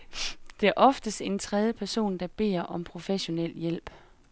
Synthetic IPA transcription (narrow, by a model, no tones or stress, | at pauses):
d̥e̝æɐʔɒ̽fd̥əsd̥e̝nt͡sʰʁɛð̞ˠjəpʰæɐso̝̰ːnd̥ɑ̈b̥e̝̰ːɐ̰ʔɒ̽mpʰʁo̝feɕo̝nel̰jel̰b̥